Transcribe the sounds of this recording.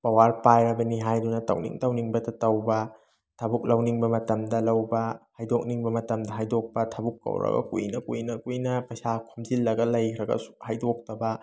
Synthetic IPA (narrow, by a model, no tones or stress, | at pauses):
pɐwaɾpajɾɐbɐniɦajdunɐtɐ̰wnḭŋtɐwniŋbɐdɐtɐwbɐ | tʰɐbuk̚lɐwniŋbɐmɐtɐmdɐlɐwbɐhajdok̚niŋbɐmɐtɐmdɐɦajdok̚pɐtʰɐbukːɐ̰wɾɐ̰ɡɐ̰kṵjnɐkujnɐkujnɐpɐjsakʰumzilːɐɡɐlɐjkʰɾɐɡɐ̰su̥hajdok̚tɐbɐ